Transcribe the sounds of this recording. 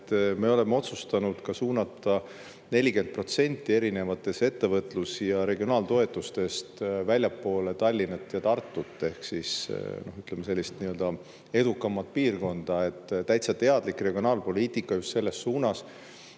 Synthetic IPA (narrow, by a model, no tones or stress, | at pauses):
t̪me̞o̞le̞mːeo̞t̪sust̪ɑnud̪̥kɑsuːnɑt̪ːˑɑ | ne̞lʲike̞nd̪̚pro̞t̪se̞nʲt̪ːˑie̞ɾine̞vɑt̪ːˑe̞se̞t̪ːe̞vɤt̪ˑlusjɑɾe̞ɡio̞nɑːlt̪o̞e̞t̪ːˑust̪e̞st̪vælʲjɑpːo̞ːle̞t̪ɑlʲːinet̪ːjɑt̪ɑrt̪ˑːut̪ˑːe̞hksisno̞hyt̪lemese̞lʲːist̪niø̞ld̪ɑ | e̞d̪̥ukːˑɑmːɑt̪̚piːrko̞nd̪̥ɑe̞t̪ːt̪ːæjt̪sɑt̪e̞ɑd̪̥likre̞ɡ̥io̞nɑːlpo̞lʲiːt̪ˑikːˑɑjust̪se̞lːe̞sːuːnɑs